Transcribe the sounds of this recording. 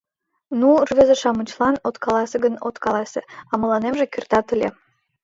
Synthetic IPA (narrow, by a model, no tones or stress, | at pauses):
nurβezeʃɑmət͡ɕlˠɑnot̪kɑlɑseɡənot̪kɑlɑseɑməlɑnemʒĕkyrt̪ɑt̪əlʲe